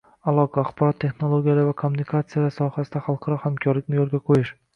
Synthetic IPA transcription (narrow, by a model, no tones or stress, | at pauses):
alˠɒqʰɑaχbɒɾɒt̪ʰːe̞χnolˠoɡʲijalavakʰomːunikʰat̪sɨjalaɾsɒhasɪd̪aχalˠqʰɑɾɒhamkʲʰɒɾlɪkʲnɪjolɡʲaqʰojɪʃ